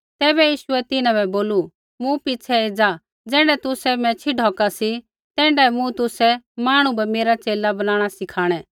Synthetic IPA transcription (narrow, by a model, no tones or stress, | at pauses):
t̪ɛːβɛjiːʃʊɛt̪ɪnãbɛboːlu | mũpɪt͡ʃʰɛeːd͡za | d͡zɛ̃ːɳɽɖɛt̪ʊsɛmɛ̃t͡ʃʰɪɖʱɔːkasi | t̪ɛ̃ːɳɖɛmũt̪ʊsɛmaːɽ̃ubɛmeːɾat͡seːlabɐnãːɽ̃asɪkʰaːɽ̃ɛ